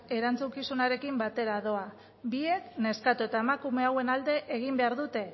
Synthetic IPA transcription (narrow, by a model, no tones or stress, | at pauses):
e̞ɾant͡sukisunaɾe̞kimbat̪e̞ɾaðo̞a | bie̞kne̞skat̪uet̪ae̞makume̞awe̞nald̪e̞ʔeɣ̞imbe̞aɾðut̪e̞